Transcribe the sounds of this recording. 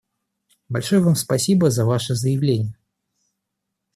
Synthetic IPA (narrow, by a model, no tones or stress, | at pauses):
balʲʂɔjɛvamspasʲibɐzɐvaʂɛzəjɪwlʲenʲːjɐ